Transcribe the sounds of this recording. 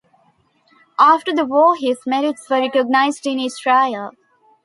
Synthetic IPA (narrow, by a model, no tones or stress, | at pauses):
aːfʈəɾd̪əʋɔːɦɪzmɛɾɪʈsʋəɾɛkəɡ̚naɪzɖɪ̃nɪsʈɾaɪəl